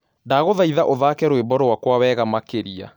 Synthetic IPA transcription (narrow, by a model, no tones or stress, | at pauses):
ndaːɣoðaiðaʔoðaːkɛɾwebɔɾɔwakwawɛːɣamakeɾia̰